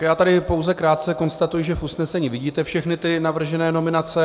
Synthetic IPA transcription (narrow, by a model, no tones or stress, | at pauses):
jaːt̪adɪpo̞wzɛkɾaːt̪̚t͡sɛko̞nst̪at̪ujɪʒɛfʔusnɛsɛɲiːvɪɟiːt̪ɛfʃɛxnɪt̪ɪnavr̩ʒɛnɛːno̞mɪnat͡sɛ